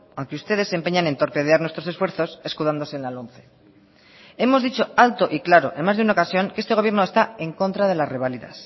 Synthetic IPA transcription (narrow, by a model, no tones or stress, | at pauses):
aŋkeust̪e̞ðesːe̞mpe̞ɲanẽ̞nt̪o̞ɾpe̞ð̞eaɾnwe̞st̪ɾo̞se̞sfwe̞ɾθo̞se̞skuðand̪ose̞ːnlalo̞nθe̞ | e̞mo̞zðit͡ʃo̞alt̪o̞ʔiklaɾo̞ʔe̞nmazðunaokasjo̞ŋkeest̪e̞o̞βjɾno̞e̞st̪ae̞ŋko̞nt̪ɾaðe̞lasre̞β̞aliða̰s